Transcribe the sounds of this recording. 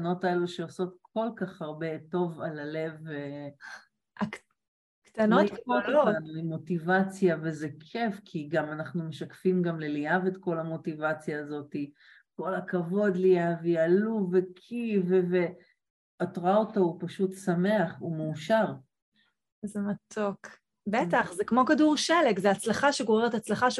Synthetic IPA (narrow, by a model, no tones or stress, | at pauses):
no̞taeluʃeoso̞t̪̚kʰolkaχhaʁbe̞to̞valale̞ve | a | kt̪anooanlimo̞tivat͡sjavezekʰefkʰiɡamanaχnume̞ʃakfimɡamleliavetko̞lamo̞tivat͡sjaːzo̞ti | ko̞lakavo̞d̪liavialuvekʰivve | atʁoaotaupaʃut̪sameaχumeuʃaʁ | zematʰok | betaχzekmo̞kaduʁʃelekzeat͡slaχaʃeɡoʁeʁetat͡slaχaʃ